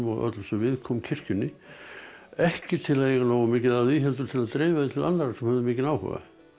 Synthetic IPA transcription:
mɔɣʔœ̰t̪lsɛvɪðkʰɔːmcʰɪr̥cʏnːɪ | ɛhcɪt̪ʰɪlaðjɛɣanoːwamɪːcɪðaðviɦɛlt̪̬ʏɾt̪ʰɪlaðt̪ɾeːvaðɪt̪ʰɪla̰nːaɾasɛmhœvðʏmɪːcɪnaːwhɛ̰va̰

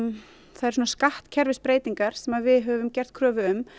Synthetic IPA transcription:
θaðɛɾsɔnaskaht̪cʰɛɾvɪspɾeːjt̪iŋkaɾ̥sɛmaðvɪðɦœvʏmcɛr̥ðt̪̚kʰɾœːvʏʏm

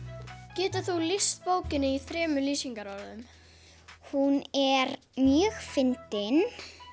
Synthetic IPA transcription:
cɛːt̪ʏθulist̪̚poːwcɪnːɪiθɾɛːmʏliːsiŋkaɾaɾaðʏm | hunɛɾ | mjœːxfɪnt̪ɪn

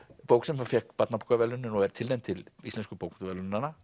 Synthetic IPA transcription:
powksɛmafɛhkpat̪napkʰavɛlʏnɪnɔɣɛɾ̥t̪ʰɪlejmt̪ʰɪlist̪ɛnskʏpowkt̪vɛlʏnnanːa

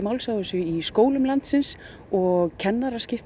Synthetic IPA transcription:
mawlsaðʏsʏiskoːwlʏmlant̪sɪns | ɔɣcʰɛnːaɾascɪft̪

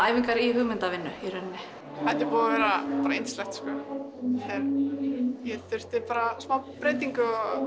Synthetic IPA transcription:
aːjviŋkaɾiɦʏɣmɪnt̪avɪnːʏiɾɛnːɪ | hat̪ɪpɔːðavɛːɾapaːɾaenslɛht̪skɔ̰ | θɛɾ | jɛt̪ʏ̥t̪ɪpaːɾasmawpɾeːjt̪iŋkʏɔ

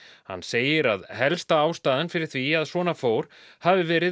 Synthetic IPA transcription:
ha̰nːseːjɪɾa̰ðhɛlst̪aaːwst̪aːðɪnfɪɾɪɾ̥θviaðsvɔːnafoːwɾ̥havɪvɛːɾɪ

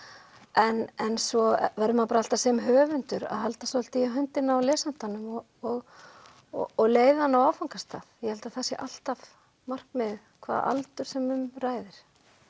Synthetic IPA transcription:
ʔɛnɛnsɔvajɾʏmaðpaɾahalt̪asɛːmɦœːvʏnt̪ʏɾa̰ðɦalt̪asɔl̥t̪iaɦʏnt̪ɪnawlɛːsan̥t̪anʏmɔ | ɔɣ | ɔɣleːjðaanːawaːwfawŋkast̪a̰ðjɛhɛlt̪aθasjɛ̰ʔal̥t̪av | mar̥kmɛð | kʰva̰ːða̰lt̪ʏɾ̥sɛmʏmraːjðɪɾ̥

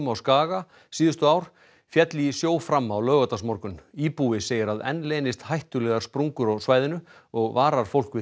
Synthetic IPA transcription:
mawskaːɣa | siːðʏst̪ʏawɾ̥ | fjɛt̪lisjoːwfɾamːawlœːɣat̪asmɔɾkʏniːpuɪseːjɪɾaðɛ̰nleːnɪst̪hajht̪ʏlɛɣḁspɾuŋkʏɾawsvaːjðɪnʏ | ɔɣvaːɾaɾ̥fowl̥kvɪ

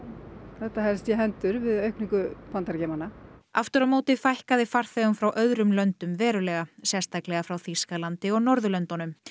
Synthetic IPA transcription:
θɛht̪ːahɛlst̪jɛɦɛnt̪ʏɾvɪðœɥhkniŋkʏfʰant̪aɾcɛːmanaaft̪ʏɾamoːt̪ɪfajhkaðɪfaɾ̥θɛːɣʏmfɾawʔœðɾʏmlœnt̪ʏmvɛːɾʏlɛɣasɛ̥st̪ʰaklɛɣafɾawθiskalant̪ɪɔɣnɔɾðʏlœnt̪ɔnʏm

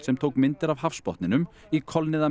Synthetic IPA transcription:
sɛmt̪ʰoːwkmɪnt̪ɪɾavhafspɔht̪nɪnʏm | ikʰɔlnɪða

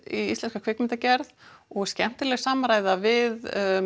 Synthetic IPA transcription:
iḭst̪ɛnskakʰv̥ɪkmɪnt̪acɛɾðɔɣscɛm̥t̪ɪlɛɣsaːmaɾaːjðavɪð

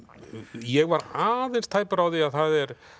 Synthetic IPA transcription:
jɛɣvaɾaːðejnst̪ʰaːjpaɾaːwðɪaðθaðɛɾ

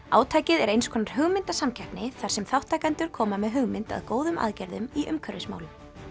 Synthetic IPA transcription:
aːwt̪ʰaːjcɪðɛɾejnskʰɔːnaɾ̥ɦʏɣmɪnt̪asamcʰɛhpnɪθaɾ̥sɛmθawht̪ːajkant̪ʏɾ̥kʰɔːmamɛðɦʏɣmɪnt̪a̰ðkoːwðʏma̰ðcɛɾðʏmiʔʏmkʰœɾɪsma̰ːwlʏm

